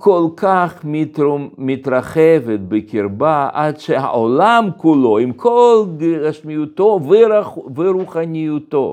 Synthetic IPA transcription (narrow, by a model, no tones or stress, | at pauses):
kʰolkʰaχmitmit̪ɾaχɛvet̪̚bekʰiɾbaʔadʃeha̰ʔolamkuloimkʰolɡaʃmijut̪oveɾaveɾuχanijut̪o̰